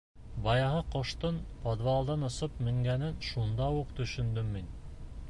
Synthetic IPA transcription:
bɑjɑhɤqŏʃt̪ɤnpod̪βɑlˠd̪ɑnŏsɤp̚mɘ̆ŋɡænɘnʃund̪ɑuqt̪ɵ̆ʃɵ̆nd̪ɵmːin

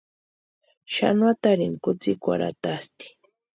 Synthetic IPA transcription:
ʃa̰nwat̪aɾɪŋkʊt͡sikʷa̰ɾa̰t̪ast̪i̥

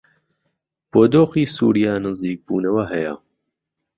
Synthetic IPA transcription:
b̥oːd̪oːxiːsṵːɾijaːnɨziːk̚buːnɐwɐɦɐjɐ̰

